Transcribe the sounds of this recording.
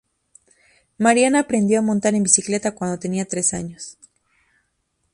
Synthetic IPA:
maɾjanaːpɾe̞nd̪jo̞amõ̞nt̪aɾe̞mbisikle̞t̪akwand̪o̞t̪e̞niat̪ɾe̞saɲos

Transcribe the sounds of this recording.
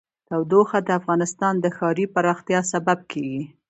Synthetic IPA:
t̪awd̪oxad̪əafɣɑnɪst̪ɑnd̪əxɑɾipaɾɑxt̪jɑsabab̚kʰeɡi

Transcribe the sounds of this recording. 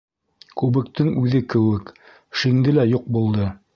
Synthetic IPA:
kʉβɘ̆kt̪ɘŋʉðɘkɘ̆wɘk | ʃiŋd̪ɘlæjuq̚bulˠd̪ɤ

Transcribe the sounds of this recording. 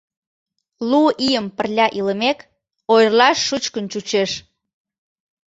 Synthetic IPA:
luʔijəmpə̆rlʲɑʔiləmek | ojrlɑʃːut͡ɕkənt͡ɕut͡ɕeʃ

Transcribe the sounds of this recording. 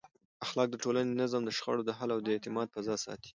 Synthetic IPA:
axlɑk̚d̪əʈolanenazəmd̪əʃxa̰ɽod̪əɦalawd̪əet̪ɪmɑd̪̚pazɑsɑ̰t̪i̥

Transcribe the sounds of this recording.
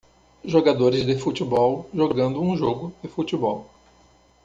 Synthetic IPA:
ʒoɡad̪oɾɪzd̪ɪfut͡ʃibɔwʒoɡɐ̃nd̪ʊũʒoɡʊd̪ɪfut͡ʃibɔw

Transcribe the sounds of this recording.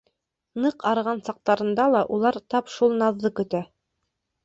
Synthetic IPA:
nɤqɑɾʁɑnsɑq̚t̪ɑɾɤ̆nd̪ɑlˠɑʔulˠɑɾt̪ɑpʃulˠnɑðːɤkɵ̆t̪æ

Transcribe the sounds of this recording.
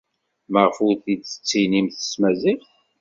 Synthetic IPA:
məʁəfʊɾθid̪t͡sːə̥t͡sːinimθə̥smæzil

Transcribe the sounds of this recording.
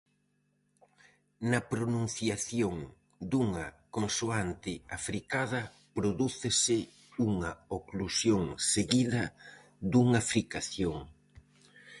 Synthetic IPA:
nɐpɾonũn̟θjaθjoŋ | d̪uŋɐkonsuant̪ɪafɾikað̞ɐ | pɾoðuθɪsɪ | uŋɐoklusjoŋseɣiðɐ | d̪uŋafɾikaθjoŋ

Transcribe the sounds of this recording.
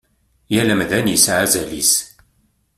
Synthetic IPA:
jælæmðænisʕazælḭs

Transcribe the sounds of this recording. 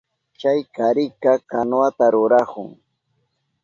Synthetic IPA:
t͡ʃajkaɾɪkakanwat̪aɾʊɾakʊŋ

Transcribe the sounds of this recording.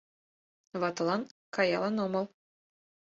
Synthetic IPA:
βɑt̪ɤ̆lˠɑnkɑjɑlˠɑnɤ̆mɤ̆lˠ

